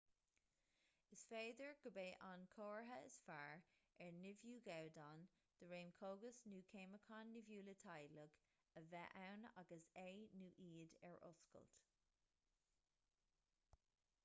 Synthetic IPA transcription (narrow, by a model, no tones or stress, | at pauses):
ɪsfeːd̪əɹɡ̥əbeːʔankʰoːɹɦəɪ̰sfaːɹɛɹnɪvjuːɡawdan | d̪̥əɹẽːmkʰoːɡəsnuːkʰeːməkʰɑnːɪvjuːlətʰajləɡ̥ | əvɛʔawna̰ɡəseːnuːʔiːdɛ̰ɹʔʊ̰skə̰lt